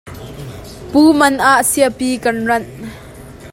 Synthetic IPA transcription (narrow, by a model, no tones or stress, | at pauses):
puːmɐnʔaʔsiəpiːkɐnrɐn